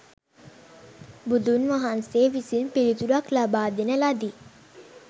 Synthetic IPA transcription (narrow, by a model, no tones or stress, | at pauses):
bud̪unʋaɦanseʋisinpelit̪uɾaklabaːd̪inɐlad̪i